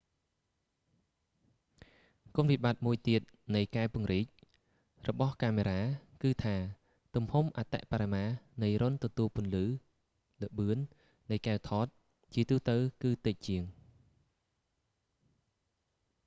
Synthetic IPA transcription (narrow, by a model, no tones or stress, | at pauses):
kuənʋiɓaːt̪̚muəjt̪iət̪̚ | nɨjkaɛpŭəŋriːc̚ | rɔɓɑhkaːmeɾaːkɨːt̪ʰaː | t̪umhumʔat̪ɛ̰ʔpaːɾamaːnɨjrŏnt̪ɔt̪uəlpŭənlɨː | lɨɓɨən | nɨjkaɛwt̪ʰɑːt̪̚ | t͡ɕiət̪uːt̪əwkɨːt̪ɨc̚t͡ɕiəŋ